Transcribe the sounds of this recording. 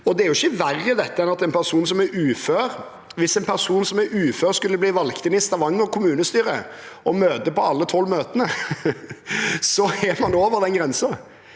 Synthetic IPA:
ɔd̪ɛæɾjʊɪçːəʋæɾːəd̪ɛt̪ːəɛnɑt̪ɛɪnpʰæʁsuːnsɔmɛɾʉːføːɾ | ʋɪsɛnpʰæʁsuːnsɔmɛɾʉːføːɾskʉlːəbliːʋɑlɡt̪ʰɪnɪst̪ɑʋɑŋːɔkʰʊmʉːnəst̪yːɾə̰ɔmøːt̪əpɔɑlːət̪ʰɔlmøːt̪ənə | sɔɛmɑnoːʋəʁd̪ɛnɡɾɛnsɑ

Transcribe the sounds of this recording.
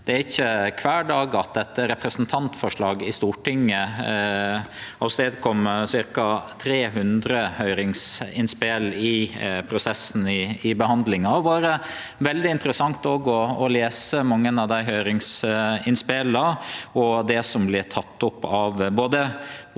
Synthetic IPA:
d̪̥ɛæɾɪçːəkʰʋæːɖɑːɡɑt̪̚d̪ɛt̪ːəɾɛpʰɾəsənt̪ʰɑnt̪fɔʂɭɑːɡɪst̪uːʈɪŋːə | ɑst̪eːd̪kʰɔmːsɪɾkɑt̪ʰɾeːɦʉnd̪ɾəhœʏɾɪŋsɪnspelɪpʰɾʊsɛsn̩ɪɪbəhɑnd̪lɪŋɑɔʋɑːɾə | ʋɛld̪ɪɪnt̪əɾəsɑŋt̪oɡɔɔleːsəmɑŋːənɑʋd̪æɪɦœʏɾɪŋsɪnspelɑɔd̪ɛsɔmblɪt̪ʰɑt̪ːʊpːɑʋboːd̪ə

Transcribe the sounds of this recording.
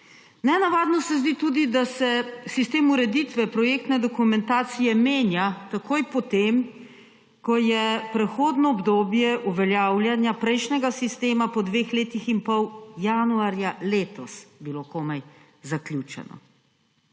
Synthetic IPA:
nɛnaʋaːd̪nɔsɛzd̪it̪uːd̪id̪asɛsist̪eːmuɾɛd̪it̪ʋɛpɾɔjeːk̚t̪nɛd̪ɔkumɛnt̪aːt̪sijɛmeːnjat̪akʰoːjpɔt̪em | kɔjɛpɾɛxoːd̪nɔːbd̪oːbjɛʔuʋɛljaːwlʲjanjapɾɛjʃnɛɡasist̪eːmapɔd̪ʋeːxleːt̪iximpɔwjanuaɾjaleːt̪ɔsbilokoːmɛj | zaklʲjut͡ʃɛ̰nɔ̰

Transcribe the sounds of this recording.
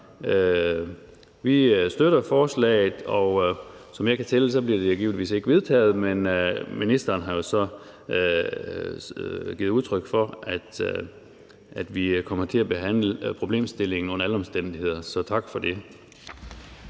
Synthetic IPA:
ø | ʋisd̥øɾɐfɒːslɛ̰ɪð̩ˠɒsɒ̽mjɑ̈ɪkʰæt͡sʰels̬ɒ̽b̥liɐd̥e̝joɡ̥ḭːʊniʋḭːse̝ɡ̥əʋe̝ð̞ˠt͡sʰɛ̰ːð̞̩ˠmenminisd̥ɐːnɦɑ̈jo̝sɒ̽ | ɡ̥ḭːð̩ˠuð̞ˠt͡sʰʁœɡ̥fɒ̽ʔæd̥ | ʔæd̥ʋikʰɒ̽m̰ɐt͡sʰe̝læb̥e̝ɦæn̰ləpʰʁo̝b̥le̝̰ːmsd̥e̝le̝ŋn̩ɔ̽n̰ɐæləɒ̽msd̥en̰d̥ihe̝ð̰ˠɐsɒ̽t͡sʰɑ̈ɡ̥fɒ̽d̥e̝

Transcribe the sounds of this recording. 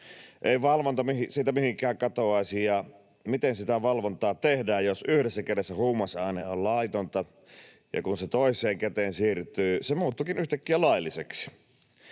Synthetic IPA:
ʔeˑiʋɑlʋont̪ɑmihisiːt̪æmihiŋkˑæːŋkɑt̪oɑˑisijjɑ | mit̪ensit̪æʋɑlʋont̪ɑːt̪ehdæːjjosyhdesːækedesːæhuːmːɑsɑˑineollɑit̪ont̪ɑ | jɑ̰kunset̪oˑisˑeːŋket̪eːnsiːrt̪ˑyːsemuːt̪ːukinyht̪ækːiælɑilːiseksi̥

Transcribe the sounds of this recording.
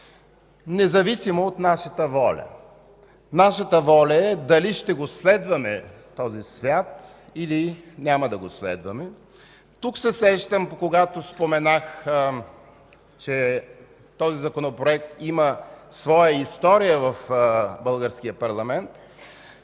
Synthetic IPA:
nɛzɐvisimoot̪naʃət̪əvɔlʲɐ̰ | naʃət̪əvɔlʲɐɛd̪ɐliʃt̪ɛɡoslɛd̪vɐmɛ | t̪ɔzisvʲjat̪ | ilinʲaməd̪ɐɡoslɛ̰d̪vɐmɛ | t̪uksɛsɛʃt̪əmpokoɡat̪ospomɛnax | t͡ʃɛ | t̪ɔzizɐkonopɾoɛkt̪iməsvɔjəist̪ɔɾijəvɐfbɤlˠɡəɾsk̟ijəpɐɾlˠɐmɛnt̪

